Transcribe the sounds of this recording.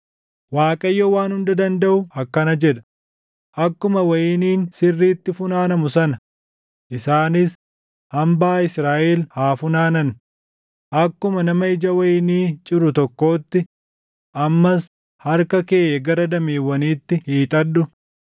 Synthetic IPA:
waːkʼɐjːɔwaːnhʊnd̪ɐd̪ɐnd̪ɐʔʊɐkːɐnɐd͡ʒɛᶑ̪ɐ̥ | ʔɐkːʊmɐwɐjɪniːnsɪrːiːt̪ːɪfʊnaːnɐmʊsɐnɐ | ʔɪsaːnɪs | ɐmbaːɪsɾaːʔɛlhaːfʊnaːnɐn | ʔɐkːʊmɐnɐmɐɪd͡ʒɐwɐjɪniːt͡ʃʼɪɾʊt̪ɔkːo̞ːt̪ːɪ | ʔɐmːɐs | hɐɾkɐkeːɡɐɾɐd̪ɐmeːwːɐniːt̪ːɪhiːt̪ʼɐdːʊ

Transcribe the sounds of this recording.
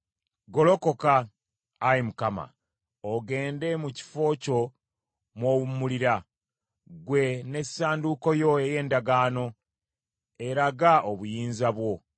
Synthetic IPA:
ɡo̞lo̞ko̞kaː | jimukama̰ | oɡe̞ːnde̞muci̥fo̞ːco̞ | mwowumuliɾa | ɡwe̞ne̞saːnduko̞jo̞eje̞ːndaɡaːno̞ | eɾaɡaʔoβujiːnzaβwo̞

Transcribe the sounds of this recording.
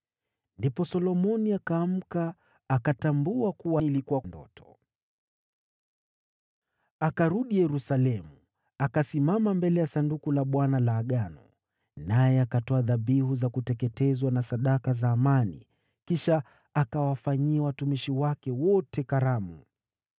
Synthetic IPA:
ndipɔsɔlɔmɔniakaːm̩kaː | katambuakuwailikuwandɔ̰tɔ̥ | akaɾuɗijɛɾusalɛmu | akasimamambɛlɛjasandukulaɓwanalaːɠanɔ | najɛakatɔaðaɓihuzakutɛkɛtɛzwanasaɗakazaːmanḭ | kiʃa | akawafaɲiawatumiʃiwakɛwɔtɛkaɾamṵ

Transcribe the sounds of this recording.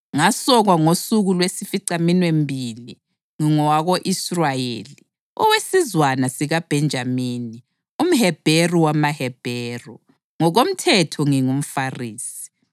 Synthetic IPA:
ŋasɔɣwaŋosuɣulwesifiǀaminwembʱili | ŋiŋɔwaɣoʔisrajḛːli | ɔ̰wesizwanasiɣab̥ʱɛnd͡ʒʱamiːni | um̩ɦɛb̥ʱeruwamaɦɛb̥ʱɛːrɔ̰ | ŋɔɣom̩tʰɛtʰɔŋiŋum̩fariːsi̥

